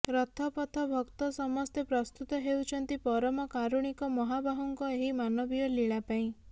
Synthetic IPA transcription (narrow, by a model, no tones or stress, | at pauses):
ɾɔt̪ʰɔpɔt̪ʰɔbʱɔkt̪ɔsɔmɔst̪epɾɔst̪ut̪ɔɦewt͡ʃʰɔnt̪ipɔɾɔmɔkaɾuɽ̃ikɔmɔɦabʱaɦɔŋkɔeɦimanɔbijɔliɭapaĩ